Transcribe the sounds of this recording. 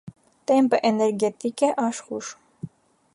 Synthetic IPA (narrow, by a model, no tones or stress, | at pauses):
t̪empəʔenɛɾɡet̪ikeʔɑʃxuʃ